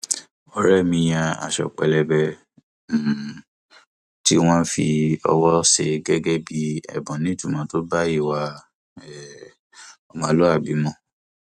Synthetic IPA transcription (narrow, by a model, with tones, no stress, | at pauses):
ɔ˨˦ɾɛ˦˨mĩ˧j̃ã˧a̰˨ʃɔ̰˨k͡pɛ˨lɛ˧bɛ˧˨ | ti˦w̃ɔ̃˦fi˧ɔ̰˧wɔ˦ʃe˧ɡɛ˦ɡɛ˦bi˧˦ɛ̰˨bɔ̃˨nĩ˨˦tũ˦˨mã˨˦to˦ba˦i˦˨wa˧ | ɛ˨ | ɔ˧mã˨˦lo˦a˦˨bi˨˦mɔ̃˧˦